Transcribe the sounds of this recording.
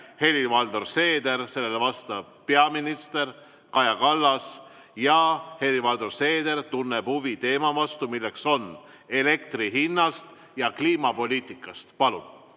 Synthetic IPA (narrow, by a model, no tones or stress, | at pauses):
he̞livɑld̪̥orse̞ːd̪e̞ɾse̞lːe̞levɑst̪ɑb̥̚pe̞ɑminist̪e̞r | kɑjɑkɑlːɑs | jɑhe̞livɑld̪orse̞ːd̪e̞ɾt̪unːeb̥huvit̪e̞ːmɑvɑst̪umilːe̞kso̞n | e̞le̞kt̪riɦinːɑst̪ | jɑkliːmɑpo̞lʲiːt̪ˑikːˑɑst̪pɑlṵn